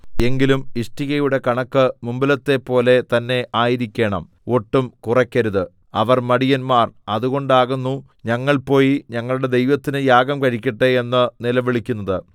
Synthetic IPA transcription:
e̞ŋɡilumiʂʈiɣɐjuɽe̞kɐɳɐkːɨmumbilɐt̪ːe̞pːo̞ːle̞t̪ɐnːe̞ʔaːjiɾikʲːe̞ːɳɐ̰m | o̞ʈːumkurɐkʲːɐɾuðɨ | ɐʋɐrmɐɽijɐnmaːrɐðuɣo̞ɳɖaːɣunːu | ɲɐŋːɐɭpo̞ːjiɲɐŋːɐɭuɽe̞d̪e̞jʋɐt̪ːinɨjaːɡɐmkɐɻikʲːiʈːɨenːɨnilɐʋiɭikʲːunːɐðɨ

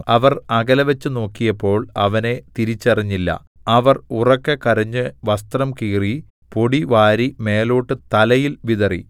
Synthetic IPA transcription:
ɐʋɐrɐɡɐlɐʋɐt͡ɕːɨno̞ːkːijɐpːo̞ːɭɐʋɐne̞t̪iɾit͡ɕːɐrɐɲːilːɐ̰ | ɐʋɐrurɐkːekɐɾɐɲːɨʋɐst̪rɐmkiːri | po̞ɽiʋaːɾime̞ːlo̞ːʈːɨt̪ɐlɐjilʋiðɐrḭ

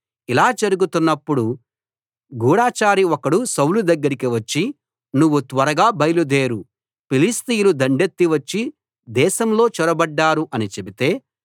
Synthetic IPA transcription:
ilaːd͡ʒɐɾuɡut̪unːɐpːuɽu | ɡuːɽaːt͡ʃaːɾiɔkɐɽusɐwlud̪ɐɡːɐɾikiʋɐt͡ʃːi | nuʋːut̪ʋɐɾɐɡaːbɐjlud̪eːɾu | pilist̪ijulud̪ɐɳɖe̞t̪ːiʋɐt͡ʃːi | d̪ɛːʃɐmlo̞ːt͡ʃɔɾɐbɐɖːaːɾuʔɐnit͡ʃe̞bit̪e̞ː

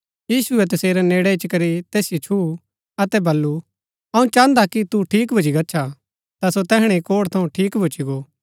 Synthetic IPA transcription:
jiːsuɛt̪ɐseːɾɛneːɽɛɪt͡ʃkɐɾit̪eːsɪjot͡ʃʰu | ɐt̪ɛbɐlːu | ɐũt͡ʃãːnd̪akit̪uʈʰiːkbʱʊd͡ʒiɡɐːt͡ʃʰa | t̪asot̪ɛːɦɽ̃ekoːɽt̪ʰɐ̃ũʈʰiːkbʱʊt͡ʃiɡoː

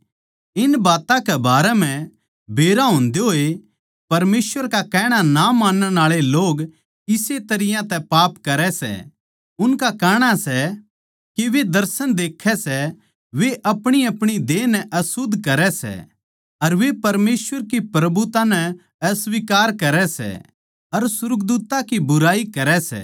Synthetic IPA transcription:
ɪnbaːt̪ãkɛbaːɾɛm̤ɛ̃ | bʱeːɾaɦʊ̃nd̪eɦoːe | pɐɾmeːsʋəɾkakɛːɽ̃anamãːnənaːɭeloːɡ | ɪset̪ɐɾɪjãt̪ɛ̃paːpkɐɾɛsɛ̰ | ʊnkakɛːɽ̃asɛ | kiʋed̪ɐɾsənd̪eːkʰːɛsɛ | ʋeʔɐpɽ̃iɐpɽ̃id̪eːnɛʔɐsʊd̪ʱːkɐɾɛsɛ̰ | ɐɾʋepɐɾmeːswəɾkipɾɐbut̪anɛ | ɐsʋikaːɾkɐɾɛsɛ̰ | ɐɾsʊɾʊk̚d̪uːt̪akibʊɾaːikɐɾɛsɛ̰ː

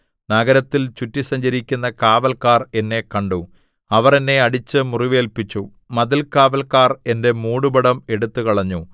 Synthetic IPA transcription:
nɐɡɐɾɐt̪ːilt͡ɕutːisɐɲd͡ʑɐɾikʲːunːɐkaːʋɐlkaːre̞nːe̞kɐɳɖu | ɐʋɐrenːe̞ɐɽit͡ɕːɨmuriʋe̞ːlpit͡ɕːu | mɐðilkaːʋɐlkaːre̞nde̞muːɽubɐɽɐme̞ɽut̪ːukɐɭɐɲːu

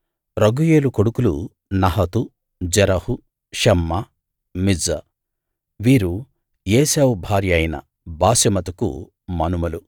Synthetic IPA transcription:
ɾɐɡujeːlukoɽukulṵ | nɐɦɐt̪u | d͡ʒɐɾɐhu | ʃɛmːɐ | mid͡zɐ | ʋiːɾu | jeːsewubʱaːɾjɐjnɐ̰ | baːsɐmɐt̪ɐkṵ | mɐnumɐlu

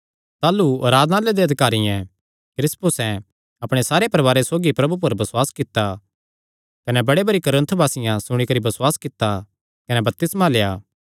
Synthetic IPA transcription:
t̪aːluɐɾaːd̪naled̪eɐd̪ɪkaːɾijɛ̃ | kɾɪspʊsɛ̃ | ɐpɽ̃esaːɾepɐɾɐbaːɾesoːɡipɾɐbup̬ʊɾbɐswaːskɪt̪ːa | kɐnɛbɐɽebɐɽikɐɾə̃nt̪ʰbʱaːsɪjãsʊɽ̃ikɐɾibɐswaːskɪt̪ːa | kɐnɛbɐp̚t̪ɪsmalejaː

